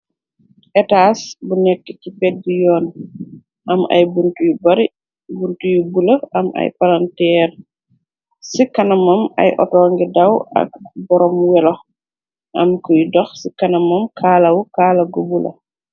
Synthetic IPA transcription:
ʔɛtaːsbunɛkːə̥cipɛt̚dijɔːn | ʔɐmɐ̰jbuntujubɐɾi | buntujubulɐʔɐmɐ̰jpalantɛːɾ | sikɐnɐmɐmɐ̰jʔɔ̰tɔːŋɡidɐwɐ̰k̚bɔɾɔmwɛlɔx | ʔɐ̰mkujdɔxsikɐnɐmɐmkʰaːlɐwkaːlɐɡubulɐ̰

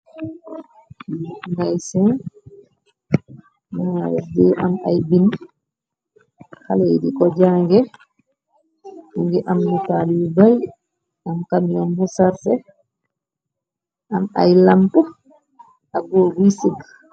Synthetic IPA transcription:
ndajsɛn | maɾɛdɛʔamajbin | halejdikɔd͡ʒaːŋɡɛ | ŋɡɛʔamːutalibaj | amkamijɔmbusaɾsɛ | ʔama̰jlampu | aɡɔɡisiɡ

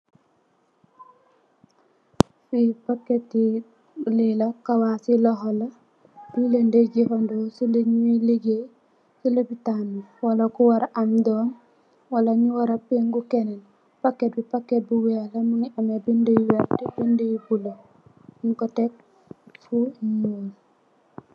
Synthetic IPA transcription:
fipakːetːi | lilakawasiloɦola | bilendeɟifandosileɲuiliɡe | silobitanːuwalakuwaɾaʔamdoːn | walaɲuwaɾapeŋɡukenen | pakːet̚bipakːet̚buwelamuŋiamebindejwaɾdibindejbulo | ŋkotek̚ | fuɲul

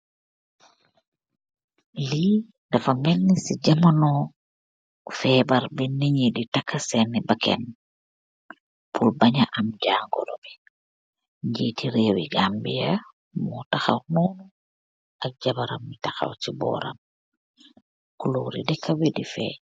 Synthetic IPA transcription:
li | dafamɛnːisid͡ʒamanɔ | fɛbaɾbɛniɲiditakːasɛnːɛbakɛ̰n | pʰulbaɲaʔamd͡ʒaːŋɡɔ̰lɔbɛ | ɲd͡ʒitʰiɾewḭɡambija | mɔtaxa̰wnuːnu | ʔak̚d͡ʒabaɾamːitaxa̰wtibɔ̰ːɾa̰m | kulo̰ɾḭdɛkʰːawɛdifɛ̰

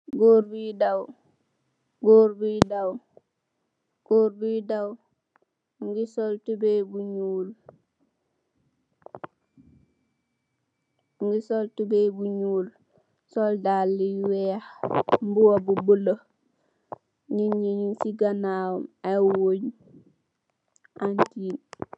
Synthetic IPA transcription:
ɡoːɾbidaw | ɡoːɾbidaw | ɡ̥oːɾbidaw | ŋɡisoltubebuɲuːl | ŋɡisoltubebuɲuːl | soldalːiwɛahmbuwobubulo | niɲiɲunsiɡanaːwumawoɲ | antiːn

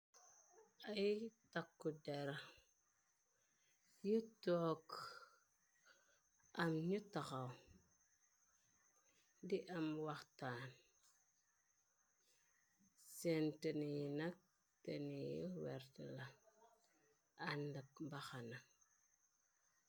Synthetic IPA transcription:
ajtakːudeɾa | jutok | amɲutakaw | diʔamwaktaːn | sentenijinak̚ | tenijḭwḛɾtəla | andakmbaxana

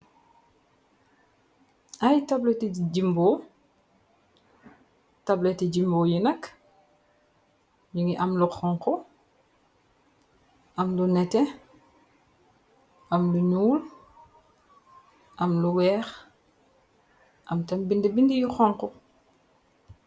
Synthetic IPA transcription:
ʔajtablɛtid͡ʒimbɔ | tablɛtid͡ʒimboːjinɐk | ɲuŋiʔɐmluxɔŋkɔ | ʔɐmlunɛtɛ | ʔɐmluɲuːl | ʔɐmluwɛːx | ʔɐmtɐmbindibindijuxɔŋkɔ

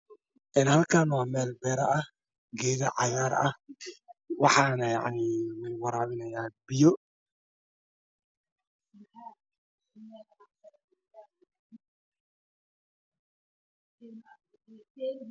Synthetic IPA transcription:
ʔɛːnhɐlkʰaːnwaːmɛːlbɛːɾɐʔɐ | ɡɛːðɐʕɑjaːɾɐ | wɑħɑːnɐja̰ʕnimɪwɑɾaːβɪnɐjaːbɪjɔ

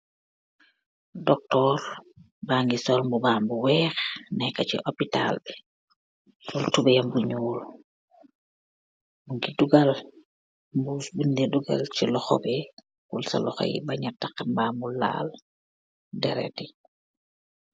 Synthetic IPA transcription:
dɔk̚tɔɾ | baːŋɡisɔlmbubaːmbuwɛxnɛkat͡ʃḭʔopita̰lbɛ | fɔltubɛjambuɲɔːl | buŋɡiduɡal | mbusbinːdɛduɡa̰lt͡ʃilɔxɔ̰bɛ | kulsa̰lɔxa̰jḭbaɲatakambaːmulːa̰l | dɛɾɛ̰ti

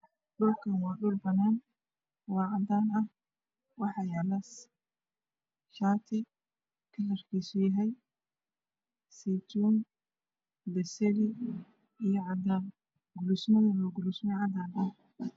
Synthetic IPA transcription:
ɗʊlkʰɐnwaːɗʊlbɐnaːn | wɑːʕɑd̪aːnɐh | wɑħɑjalɐs | ʃaːt̪ʰɪ | kʰɐlɐrkisʊjɐɦɛj | sit̪uːn | d̪ɐsɛɾi | ijɔʕɑd̪aːn | ɡʊlusmɔɪlɔɡʊlʊsmɔʕɑd̪aːnɐ

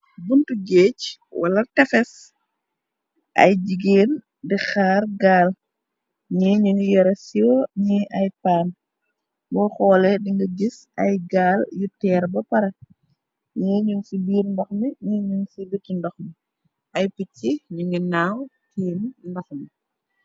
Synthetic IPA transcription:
buntuɡeːcwɐ̰lɐtɛfɛs | ʔɐ̰jd͡ʒiɡeːn | dixaːɾɡaːl | ɲɛːɲuŋijɔɾɐsjɔɲiʔɐjpaːn | bɔxɔːlɛdiŋɡɐɡisʔɐ̰jɡaːljutɛːɾbɐpɐɾɐ | ɲɛːɲuŋsibiːɾndɔxmiɲiɲuŋsibitːndɔxmi | ʔɐjpicːiɲuŋɡinaːwkiːnndɔxmi

